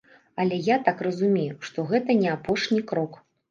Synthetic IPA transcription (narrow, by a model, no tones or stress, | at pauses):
ɐlʲɛjat̪akrɐzumʲejuʂt̪ɔɣɛt̪ɐnʲɛapɔʂnʲikɾɔk